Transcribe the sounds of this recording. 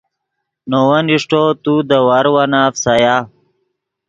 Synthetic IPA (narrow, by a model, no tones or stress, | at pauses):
nowɐniʂʈot̪ud̪əwaɾwanafsaja